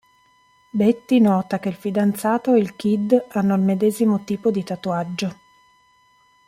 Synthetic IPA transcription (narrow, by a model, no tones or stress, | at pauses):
bet̪ːinɔːt̪ak̟elfid̪ant̪saːt̪oeilk̟id̪anːoilmed̪ɛːzimot̪iːpod̪it̪at̪uad͡ʒːo